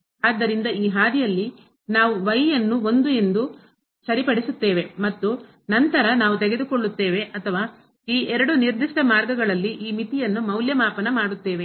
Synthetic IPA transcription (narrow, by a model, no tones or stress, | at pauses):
aːd̪ːɐɾind̪ɐiːɦaːd̪ijɐlːi | naːʋuʋɐjjɐnːuo̞nd̪ue̞nd̪u | sɐɾipɐɽisut̪ːe̞ːʋemɐt̪ːu | nɐnt̪ɐɾɐnaːʋut̪eɡe̞d̪ukoɭːut̪ːe̞ːʋe̞ɐt̪ʰɐʋaː | iːʔɛɾɐɽuniɾd̪iʂʈɐmaːɾɡɐɡɐɭɐlːiʔiːmit̪ijɐnːumɐwljɐmaːpɐnɐmaːɽut̪ːe̞ːʋe̞